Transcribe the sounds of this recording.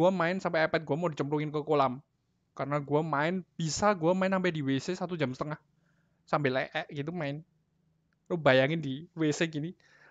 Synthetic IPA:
uamaɪnsampɛːpɛt̪̚ɡuamadit͡ʃəmɾuŋɪnkəkolam | kaɾənaɡuamaɪnb̥isaɡuamaɪnsampɛdiwesesat̪ud͡ʒamsət̪əŋah | sambɪlɛʔɛʔɡit̪̬umaɪn | lobajaŋɪndiweseɡini

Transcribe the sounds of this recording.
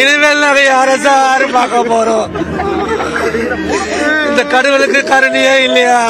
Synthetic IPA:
ɪɽɯʋelːɐɐʋɐjaːɾɐsaːɾɯpaːkɐpːoːɾõː | ɪnd̪ɐkɐɽɯʋɐlɯkːɯkɐɾɐɳɪjaːɪlːɐjaː

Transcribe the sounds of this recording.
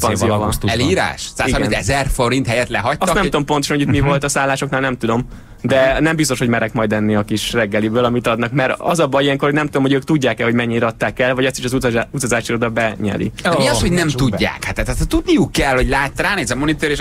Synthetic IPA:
pɒnzijoɛliːɾa̰ːʃsaːsiɡɾɛmiɛzɛrfoɾint̪hɛjɛt̪lɛɦɒctːstnɛmuomponoʃɔnojit̪mivolt̪ɒsaːlːaːʃo̞knaːlnɛmt̪ud̪o̞m | d̪ɛnɛmbist̪oʃhomɛɾɛkmɒjd̪ɛnːiɒkiʃrɛɡːɛlibøːlɒmit̪ɒd̪nɒkmɛɾɒ̰zɒbɒjijɛŋkorhonɛmt̪ud̪o̞mhoɟøːk̚t̪uɟːaːkɛhomɛɲːiːɾɒt̪ːaːkɛlvɒɟɛst̪iʃɒzut̪ɒzaːʃiɾod̪ɒbɛɲɛ̰lḭɛmiɒshoɟnɛmt̪uɟːa̰ːkhat̪ɛt̪t̪t̪ːud̪nijukːɛlho̞ɟlaːt̪ːɾaːneːzɛmonit̪øɾeʃ

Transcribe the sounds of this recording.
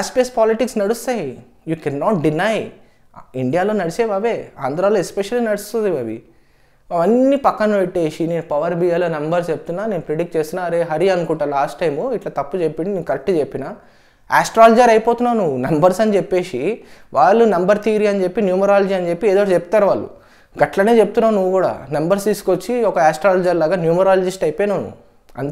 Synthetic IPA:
aːspiespaːliʈiksnɐɽust̪aːji | jukɛnːɔːʈ̚ɖinaj | iɳɖijaːlo̞ːnɐɽiseːbaːʋeːa̰ːnd̪ɾaːloːespeʃɐlinɐɽist̪und̪ibɐʋḭ | ɐʋɐnːipɐkːɐnupeʈːe̞ːʃineːnupɐʋɐɾbijaːloːnɐmbɐɾst͡ʃep̚ut̪unːaːneːnupɾeɖikʈt͡ʃe̞ːst̪unːaːɾeːɦɐɾiɐnukuɳʈaːlaːsʈʈːɐjmuiʈlaːt̪ɐpːut͡ʃepːiɳɖineːnukɐɾekʈut͡ʃepːinaː | aːsʈɾaːlɐd͡ʒɐɾɐjipoːt̪unːaːnuʋunɐmbɐɾsɐnit͡ʃepːe̞ːʂiʋaːɭːunɐmbɐɾt̪ʰiːɾiɐnit͡ʃe̞pːinjuːmɐɾaːlɐd͡ʒiɐnid͡ʒepːieːd̪oʋɽɐt͡ʃepu̥t̪aːɾuʋaːɭːṵ | ɡɐʈlɐne̞ːt͡ʃeput̪unːaːnuʋːukuːɽa̰ːnɐmbɐɾst̪iːsu̥kot͡ʃːiɔkɐaːsʈɾaːlɐd͡ʒɐɾlaːɡaːnjuːmɐɾaːlɐd͡ʒisʈɐjpeːnunṵ | ɐ̰nt̪

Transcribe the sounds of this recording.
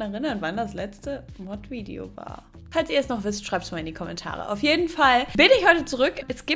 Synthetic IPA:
ɛʁɪnɐnvandaslɛt͡stəmɔtv̥iːdḛo̰va̰ːɐ | falsiːɐɛsnɔχv̥ɪstʃʁ̥aɪp̚td̥umaːlɪndikʰɔmɛntʰa̰ːʁ̞ə̰ʔa̰ʊfjeːdn̩falb̥ɪnɪçhɔʏtət͡suʁʏkɛsɡ̥iː

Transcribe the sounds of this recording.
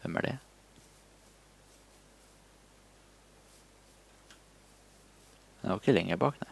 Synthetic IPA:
ʋɛmæ̰ɖḛː | mn̰ːʊɪkəlɛŋəbɑːknæ

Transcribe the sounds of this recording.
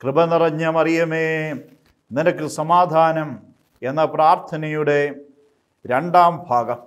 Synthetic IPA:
krɨbɐnirɐɲːɐmɐrijɐmeː | ninɐkːɨsɐmaːd̪ʱaːnɐm | enːɐpraːrt̪ʰɐnɐjuɽe̞ | ɾeɳɖaːmbʱaːɡɐ

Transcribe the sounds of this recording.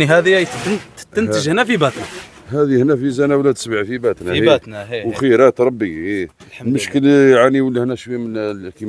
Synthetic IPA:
iɦæd̪ijæjd̪ənt̪ənt̪əʒhnæfibæt̪næ | hæd̪ihnæfizænæwlæd̪səbʕfibæt̪næhiænwxəjɾæt̪ɾˤɑbːii | lməʃkəlʕaniwəlːihnæʃwimənkim

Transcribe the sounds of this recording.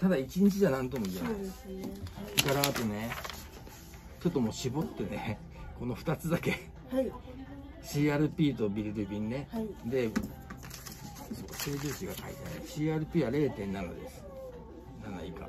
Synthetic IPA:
t̪ad̪ait͡ɕiɲ̟it͡ɕiʑanãnt̪o̞mo̞it̪enães | kaɾaːt̪o̞ne̞ | t͡ɕo̞t̪ːomo̞ːɕibo̞t̪ːe̞ne | ko̞no̞ɸɯ̟̥t̪at͡sɨd̪ake̞ | ai | ɕiːaɾɯ̟pʲiːt̪o̞bʲiɾiɾɯ̟bʲĩnːe̞id̪e̞ | soːkaseːzɨːɕiɡakaḭt̪enḛɕiːaːɾɯ̟pʲiːβaɾe̞ːt̪ẽ̞nːano̰d̪e̞̰sɨ̥ | nanaika̰

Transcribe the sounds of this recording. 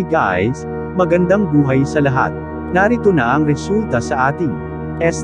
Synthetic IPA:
ɡa̰js | mɐɡɐnd̪aŋbuːɦɐjsɐlɐɦa̰t̪̚ | naɾit̪onaʔɐŋɾɛsult̪ɐsɐʔaːt̪ɪŋ | ʔɛs

